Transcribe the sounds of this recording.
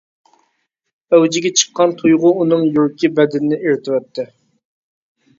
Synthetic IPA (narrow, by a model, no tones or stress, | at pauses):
œwd͡ʒɪɡʲɛt͡ʃʰə̥qːɑnt̪ʰujʁʊunɨŋjuɾkʲibɛd̪ɪnɪnɪeɾt̪ʰɪwɛt̪ʰːɪ